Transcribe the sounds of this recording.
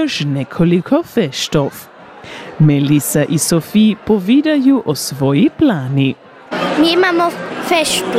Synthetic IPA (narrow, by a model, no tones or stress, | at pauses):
oʃnɛkʰolikʰofɛʃt̪of | mɛlisaʔisofipovid̪ajuʔosʋojiplaːni | miimamofɛʃt̪u